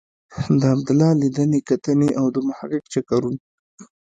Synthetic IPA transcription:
d̪əab̚d̪ʊlɑlid̪ənekat̪əneʔawd̪əmʊhaqɪqt͡ʃakaɾun

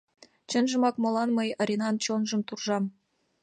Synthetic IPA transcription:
t͡ɕɤ̆nʒɤ̆mɑkmɤ̆lˠɑnmɤjɤ̆ɾʲinɑnt͡ɕonʐɤ̆mt̪urʐɑm

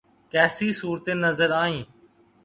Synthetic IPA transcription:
kɛːsiːsuːɾt̪eːnəzəɾaːĩː

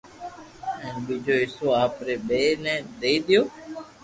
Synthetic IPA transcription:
ɛ̃ːnɓiːd͡ʒʱoːɪsoːaːpɾeːɓeːnɛ̃ːd̪eːid̪ɪjoː

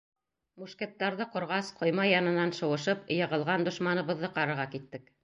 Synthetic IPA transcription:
muʃkæ̆t̪ːɑɾðɤqŏɾʁɑsqŏjmɑjɑnɤ̆nɑnʃɤ̆wɤ̆ʃɤpjɤ̆ʁɤ̆lˠʁɑnd̪ŏʃmɑnɤ̆βɤ̆ðːɤqɑɾɤ̆ɾʁɑkit̪ːɘk

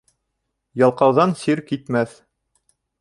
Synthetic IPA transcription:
jɑlˠqɑwðɑnsiɾkit̪mæθ

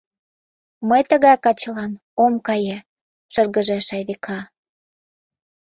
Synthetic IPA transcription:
məjt̪əɣɑjkɑt͡ɕəlɑn | omkɑje | ʃərɣəʒeʃɑjβikʰɑ

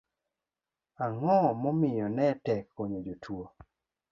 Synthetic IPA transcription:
aŋɔɔmɔmɪjɔnɛtɛk̚poɲod͡ʒotʰwo

